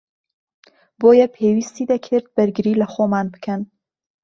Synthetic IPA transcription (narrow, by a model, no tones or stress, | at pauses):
boːjɛpʰewist̪id̪ɐkʰɨɾd̪̚bæɾɡɪɾiːlɐxomaːnbɨ̥kʰɐn